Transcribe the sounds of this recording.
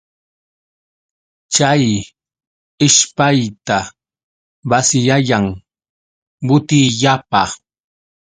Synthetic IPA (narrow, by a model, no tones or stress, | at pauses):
t͡ʃaj | ɪʃpajt̪a | basɪjaʎaŋ | bʊt̪ɪʎapa̰